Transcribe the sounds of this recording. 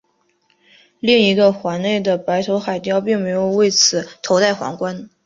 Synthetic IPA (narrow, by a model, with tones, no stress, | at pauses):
li˥˩ŋi˧˥ɡə˧xwa˧˥nne˥˩ɪd̪ə˩pa˧˥ɪt̪ʰo˧˥ʊxa˨˩ɪt̪jɑ˥˧ʊpi˥˩ŋme˧˥ɪjo˨˩ʊwe˥˩ɪt͡sʰɹ̩˨˩˦t̪ʰo˧˥ʊt̪a˥˩ɪxwɑ̰˧˥ŋkwa˥n